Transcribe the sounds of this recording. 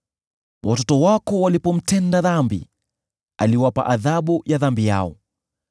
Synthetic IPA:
wʔatɔtɔwakɔwalipɔm̩tɛndaðambḭ | aliwapa̰ʔaðaɓujaðambija̰ɔ

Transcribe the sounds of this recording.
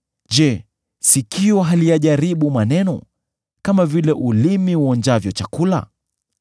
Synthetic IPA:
ʄɛ | sikiɔɦalijaʄaɾiɓumanɛnɔ̰ | kamavilɛʔulimiwɔnd͡ʒavjɔt͡ʃakula̰

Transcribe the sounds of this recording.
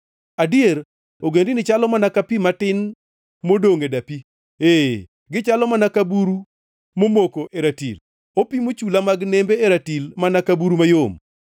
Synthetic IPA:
adɪeɾ | oɡendɪnɪt͡ʃalɔmanakapimatɪn | modoŋedapi | e | ɡɪt͡ʃalɔmanakabuɾu | momokoʔeɾatḭl | opimot͡ʃulamaɡnembeeɾatilmanakabuɾumajom

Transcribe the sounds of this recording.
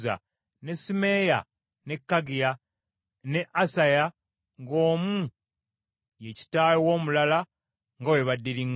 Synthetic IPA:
za̰ | ne̞sime̞ːja̰ | ne̞kːaɡija | ne̞ʔasaja | ŋɡo̞ːmu | jeci̥taːjowo̞ːmulala | ŋɡaweβadːiliŋ

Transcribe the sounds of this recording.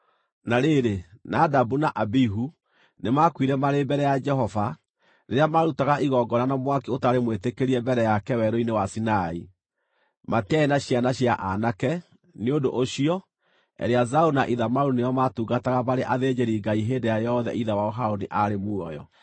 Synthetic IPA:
naɾeɾenadabunaʔabiɦu | nemakwiɾɛmaɾembɛɾɛjad͡ʒɛɦɔva | ɾeɾejamaːɾutaɣaʔiɣɔɡɔnanamwakeotaɾemwetekeɾiɛmbɛɾɛjakɛwɛɾoinewasinai | mateaenaɕianaɕjaʔanakɛ | neodoʔoɕiɔ | ɛ̰ɾeazaunaʔiðamaɾunejɔmatuːɡataɣamaɾeʔaðeːd͡ʒeɾiɡaiɦeːndejajɔðɛ̰ʔiðawaɔɦaoniʔaɾemuɔjɔ̰

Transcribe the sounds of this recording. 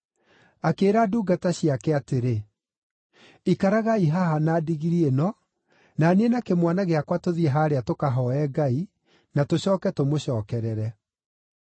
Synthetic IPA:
akeːɾaduːɡataɕiakɛateɾe | ikaɾaɣaiɦaɦanaːdiɣiɾienɔ | nanenakemwanaɣeakwatoðieɦaːɾeatokaɦɔɛɡai | natoɕɔːkɛtomoɕɔːkɛɾɛɾɛ

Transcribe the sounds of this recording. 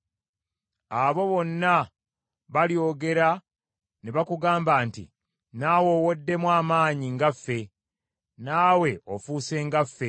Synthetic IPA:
aβo̞βo̞nːa | βaljo̞ːɡe̞ɾa | neβakuɡaːmbaːntḭ | nawo̞wodːe̞mwaːmaːɲiŋɡafːe̞ | naːwe̞o̞fuːse̞ːŋɡafːe̞

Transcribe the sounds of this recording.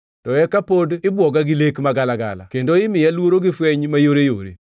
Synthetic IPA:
tɔɛkapodɪbwɔɡaɡɪlekmaɡalaɡa̰la̰kendoɪmɪjalwoɾoɡɪfwɛɲmajoɾejo̰ɾḛ

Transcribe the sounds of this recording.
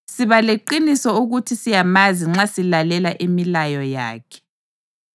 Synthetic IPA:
siβaleǃinisɔuɣutʰisijamaziŋ͡ǁasilalɛlaʔimilajɔja̰ːkʰɛ̥

